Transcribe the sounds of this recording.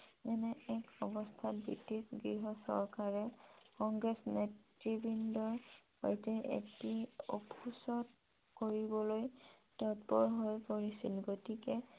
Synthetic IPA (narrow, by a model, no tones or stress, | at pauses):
ɛnɛɛkɔbɔstʰat̚bitisɡɹiɦɔsɔ̰ɹkaɹɛkɔŋɡɹɛsnetɹibindɔɹ | a̰jtɛʔḛtio̰pʰusɔt | koɹibɔlojtɔtbɔɹɦojpoɹisilɡotikɛ